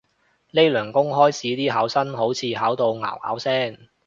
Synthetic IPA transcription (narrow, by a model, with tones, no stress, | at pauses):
le˥jlœː˨˩ŋkʊ˥ŋɦɔː˥jt͡sʰiː˨˥t̪iː˥ɦaː˨˥wsɐ˥nɦo˨˥wt͡sʰiː˨˧˥ɦaː˨˥wt̪o˨˧wŋa̰ː˨˩wha̰ː˨˥wsɛː˥ŋ